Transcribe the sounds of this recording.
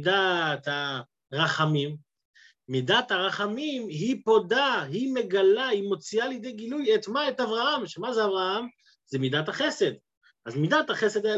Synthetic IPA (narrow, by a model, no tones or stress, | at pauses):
dat̪a | ʁaχamimː | idat̪haʁaχamimɦipo̞daɦime̞ɡalahimo̞t͡sialjed̪ejɡilujet̪maet̪avʁahamʃemazeavʁaham | zemid̪athaχe̞se̞d̪ | ʔazmid̪ataχesed̪aja